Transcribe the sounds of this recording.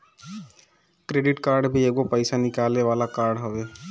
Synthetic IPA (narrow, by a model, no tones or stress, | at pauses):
kɾeːɖɪʈkaːɾɖbʱieɡopəɪsanɪkaːlneʋaːlakaːɾɖɦoʋeː